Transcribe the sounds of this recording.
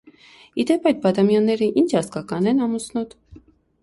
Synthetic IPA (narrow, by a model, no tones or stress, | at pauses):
id̪ɛpɑjt̪̚bɑt̪ɑmjɑnːɛɾəʔint͡ʃʰɑskɑkɑnɛnɑmusnɔt̪